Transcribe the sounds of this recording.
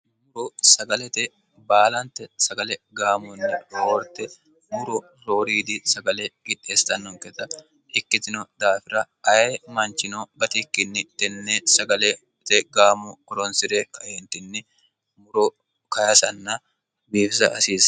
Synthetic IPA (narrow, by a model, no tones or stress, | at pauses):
mʊɾosɐɡɐlɛt̪e | baːlɐnt̪ɛsɐɡɐlɛɡaːmɔnːɪoːɾt̪ɛ | mʊɾɔ | ɾoːɾiːd̪isɐɡɐlekɪᶑeːst̪ɐnːɔŋkɛt̪ːɐ | ɪkːɪt̪ɪnod̪aːfɪɾɐ | ɐjeːmɐnt͡ʃɪnobɐt̪ikːɪnːɪt̪ɛnːesɐɡɐle | t̪ɛɡaːmɔːɾɔnsɪɾekɐjɛnt̪ɪnːɪ | mʊɾo | kɐjɐsɐnːɐ | biːfɪsɐ̰ʔɐsiːsɐ̥